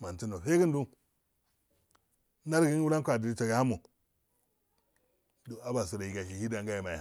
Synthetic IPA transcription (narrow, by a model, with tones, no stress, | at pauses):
ma˨n˨ti˦no˨ɸe˦ɡi˦ndu˦ | na˦ɾɡi˦wu˦la˦kʷa˨di˨ɾi˦ta˨ɡa˨ha˦mu˨ | do˨a˦ba˨s̬u˨ɾa˨ji˨ɡa˨ʃi˨hi˦da˨ŋɡa˦ja˨ma˨ja˨